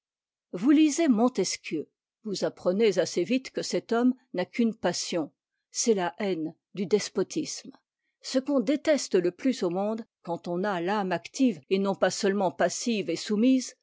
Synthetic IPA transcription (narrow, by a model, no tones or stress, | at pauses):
vulizemɔ̃t̪ɛskʲjø | vuzapχənezasevit̪kəsɛt̪ɔmnakʰʲynpasjɔ̃ | sɛlaʔɛn | d̪yd̪ɛspɔt̪ʰism | səkɔ̃d̪et̪ɛst̪ələplysomɔ̃d̪kɑ̃t̪ɔ̃nalamakt̪ivenɔ̃pasœlmɑ̃pasivesumiz